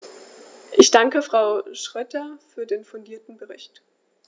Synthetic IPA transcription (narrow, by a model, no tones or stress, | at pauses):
ʔɪçd̥aŋkəfʁ̥aʊʃʁ̥ɛtɐfyːɐdeːnfʊndiːɐtn̩bəʁɪçt